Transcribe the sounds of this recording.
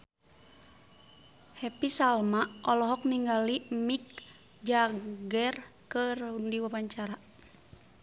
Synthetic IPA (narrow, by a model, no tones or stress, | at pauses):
hɛpisalmaʔɔlɔɦɔk̚niŋɡalimik | d͡ʒaɡɛrkərundiwapaɲt͡ʃaɾa